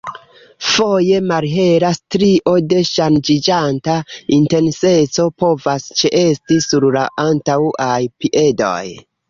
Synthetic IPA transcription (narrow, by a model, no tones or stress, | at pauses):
fo̞je̞maɾɦe̞ɾastɾiʔo̞de̞ʃand͡ʒid͡ʒantainte̞nse̞t͡so̞po̞vast͡ʃeʔe̞stisuɾla̰ʔantauajpiʔe̞do̰j